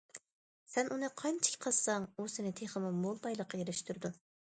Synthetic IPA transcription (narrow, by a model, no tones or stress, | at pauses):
sɛnʔunɨqʰɑnt͡ʃʰi̥kʲʰqʰɑlsɑŋusɪnɪt̪ʰeχəmumolˠbɑjlˠəqʰːɑjeɾɪʃt̪ʰuɾɨd̪u